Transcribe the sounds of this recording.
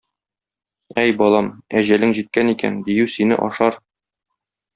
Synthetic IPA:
æjbɒlˠɑmæʑælɘŋʑit̪̚kænikæ̰nd̪ijʉsinɘ̰ʔɒʃɑɾ

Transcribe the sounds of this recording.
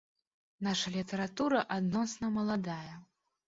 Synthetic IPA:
naʂɐlʲit̪ɐɾat̪uɾɐʔad̪nɔsnɐmɐlˠad̪ajɐ

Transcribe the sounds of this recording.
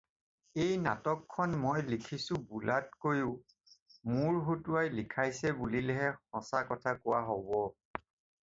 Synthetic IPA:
ejna̰tɔkʰːɔnmojlikʰisʊbulat̚kojʊ | muɹɦotʊajlikʰajsɛbulilɛɦɛhɔsakɔtʰakʊwaɦobɔ

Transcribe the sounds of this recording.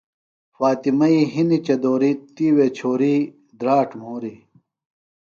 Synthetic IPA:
faːt̪imɐiɦinit͡ɕɐd̪oːɾit̪iːwet͡ɕʰoːɾi | d̪ɾaːʈmoːɾi

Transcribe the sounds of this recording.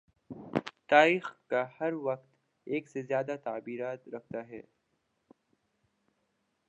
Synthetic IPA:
t̪aːɾiːxkahɐɾwɐqt̪ | eːksezjaːd̪at̪aːbiːɾaːt̪ɾɐk̚ʰt̪aɦɛ̰ː

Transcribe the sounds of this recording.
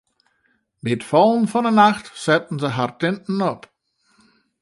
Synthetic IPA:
bɪətfɔlˠnfɔnənaxtsɛt̚n̩zəɦartɪntn̩ɔp

